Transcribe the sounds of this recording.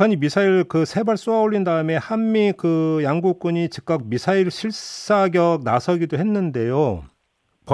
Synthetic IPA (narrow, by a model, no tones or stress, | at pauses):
aɲimisʰaiɭkɯsʰe̞baɭs͈oaoʎːindaɯme̞hamːikɯjaŋɡuk̚k͈uɲit͡ɕi̥k̚k͈ak̚misʰaiɭɕʰiɭs͈aɡjʌk̚nasʰʌɡidoɦe̞nːɯnde̞jo | pʌ